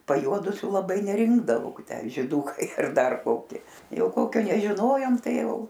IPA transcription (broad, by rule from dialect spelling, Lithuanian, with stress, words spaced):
pɐjˈuɔdʊsʲuː lˠɐˈbɐɪ nʲɛˈrʲɪŋɡdɐʋɐʊ ˈtʲæː ʒʲɪˈdʊkɐɪ ɐr ˈdɐr ˈkoːkʲɪ ˈjɛʊ ˈkoːkʲoː nʲɛʒʲɪˈnoːjoːm ˈtɐɪ ˈjɛʊ